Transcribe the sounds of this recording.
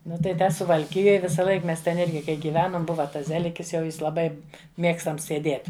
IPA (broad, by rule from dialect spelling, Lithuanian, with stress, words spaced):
ˈnʊ tɐɪ ˈtʲɛ sʊʋɐlʲˈkʲɪjoːj ʋʲɪsɐˈlˠɐɪk ˈmʲɛs tʲɛn ˈɪrʲɡʲɪ kɐɪ ɡʲiːˈʋʲæːnoːm ˈbʊʋɐ ˈtɐs ˈzʲæːlʲɪkʲɪs jɛʊ ˈjɪs lˠɐˈbɐɪ ˈmʲiɛkstɐms sʲɛˈdʲiɛtʲ